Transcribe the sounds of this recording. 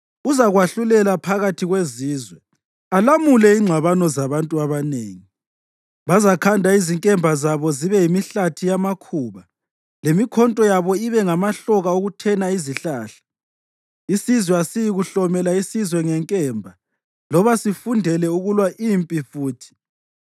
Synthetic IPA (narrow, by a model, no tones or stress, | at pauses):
uzaɣwaɬulɛlapʰaɣatʰiɣweziːzwɛ | alamulɛiŋ͡ǀʱwaβanɔzaβantʼuaβanḛːŋi | βazakʰandʱaiziŋkʼɛmbʱazaβɔziβɛjimiɬatʰijamakʰuːβa | lemikʰɔntʼɔjaβɔiβɛŋamaɬɔɣaoɣutʰɛnaiziɬaːɬḁ | isizwɛasijiɣuɬɔmɛlaisizwɛŋɛŋkʼɛːmbʱa | lɔβasifundʱɛlɛuɣulwaʔimpʼifuːtʰi̥